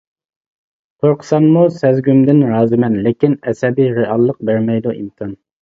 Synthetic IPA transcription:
qʰoɾqʰə̥sɑmːusɛzɡʲymd̪ɪnɾɑːzɨmɛnlɪkʲinɛsɛbijɾeɑlˠːəq̚bæɾmɛjd̪uʔimkʰɑn

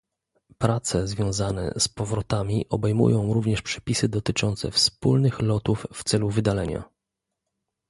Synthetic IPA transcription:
pɾat̪sɛzvʲjɔ̃w̃zanɛ̰spɔvɾɔt̪amʲiʔɔbɛjmṵjɔ̃w̃ɾuvɲɛʂpʂɛ̥pʲisɘd̪ɔt̪ɘt͡ʂɔnt̪sɛ̰fspulnɘxlɔt̪ufːt̪sɛluvɘd̪alɛɲa̰

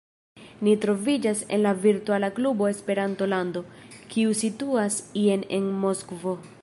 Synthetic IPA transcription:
nitɾo̞vid͡ʒase̞̰nlaviɾtualaklubo̞e̞spe̞ɾanto̞lando̞kʰiusituasiene̞nmo̞skvo̞

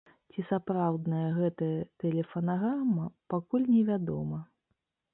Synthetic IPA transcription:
t͡sʲisapɾawd̪nɐjɐɣɛt̪ɐjɐt̪ɛlʲɛfɐnaɣɾamɐpakulʲnʲɛvʲad̪ɔ̰mɐ

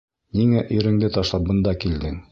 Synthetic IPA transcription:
niŋæʔiɾɘ̆ŋd̪ɘt̪ɒʃlˠɑp̚bɤ̆nd̪ɑkild̪ɘŋ

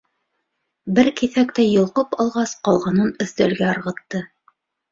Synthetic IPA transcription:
bɘɾkiθækt̪æjŏlˠqɤpɑlˠʁɑsqɑlˠʁɑnɤnɵ̆θt̪ælɡæɑɾʁɤ̆t̪ːɤ

